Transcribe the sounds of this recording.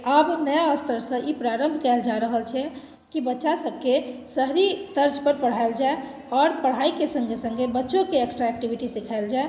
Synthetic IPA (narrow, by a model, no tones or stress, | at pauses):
abnəjaəst̪ʰəɾsə̃ʔipɾaɾəmbʱkɛld͡ʒaɾəɦəlt͡ʃʰɛ | kibətːʃasəb̚ʱkesəɦɾid̪əɾd͡ʒpəɾpəɽ̤aeld͡ʒae | ɔːɾpəɽ̤aikesə̃ŋɡesə̃ŋɡebətːʃõkeeksʈɾaek̚ʈibʱiʈisikʰaeld͡ʒae